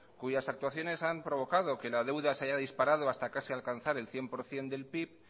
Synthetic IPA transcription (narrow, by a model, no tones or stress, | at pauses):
kuʝasak̚t̪waθjo̞ne̞sampɾo̞βo̞kaðo̞ke̞lað̞e̞wðaseaʝaðispaɾað̞o̞ast̪akasialkanθaɾe̞lθje̞mpo̞ɾθje̞nd̪e̞lpip̚